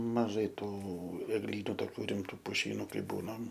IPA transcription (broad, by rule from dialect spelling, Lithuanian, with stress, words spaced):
mɐˈʒɐɪ ˈtuː ɛɡˈlʲiːnʊ toːˈkʲuː rʲɪˈmtuː pʊˈʃʲiːnʊ ˈkɐɪ ˈbuːnɐm